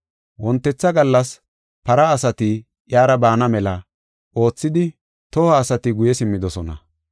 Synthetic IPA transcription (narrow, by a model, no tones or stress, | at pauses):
wɔnt̪ːɛt͡sːɐɡɐlːɐs | pɐɾɐːsɐt̪i | ʔjaːɾɐbaːnɐmɛlɐ | ʔo̞ːt͡sːɪd̪ɪ | t̪ɔhɐːsɐt̪ɪɡʊjɛsɪmːɪd̪ɔsɔnɐ̰